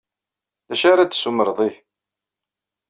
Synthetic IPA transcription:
læʃaɾat͡sːsuməɾðˤih

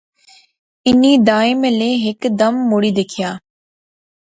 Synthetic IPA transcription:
ɪniːd̪aːɪməlẽːɦɪkd̪əmːoːɽiːd̪eːkʰɪjaː

